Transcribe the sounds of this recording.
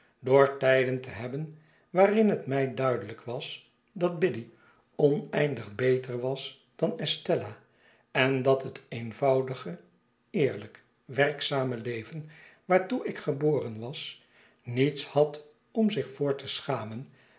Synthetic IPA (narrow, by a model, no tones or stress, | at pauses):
doːɹtɛjdəntəɦɛbən | ʋaːrɪnɦətmɛjdœɥdələkʋɑs | dɑd̚bɪdi | ɔnɛjndəχbejtəɹʋɑs | d̥ɑnɛstɛla | ɛndɑtɦətejnvɑwdəχə | ɪːɹlək | ʋɛrksaːməlejvənʋaːɹtuɪkχəboːrənʋɑs | nitshɑt | ɔmzɪχfʊːɹtəsχaːmən